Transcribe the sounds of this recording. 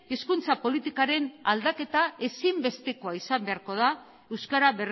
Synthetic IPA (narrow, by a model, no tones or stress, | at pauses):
eskunt͡sapo̞lit̪ikaɾe̞nald̪ake̞t̪ae̞simbe̞st̪e̞ko̞aisambe̞aɾko̞ð̞a | e̞wskaɾaβer